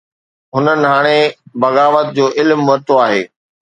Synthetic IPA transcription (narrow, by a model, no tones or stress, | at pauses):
ɦʊnənɪ̆ɦaːɽ̃ebɐɣaːʋət̪̚d͡ʑoːʔɪlmːʋɐɾt̪oaːɦeː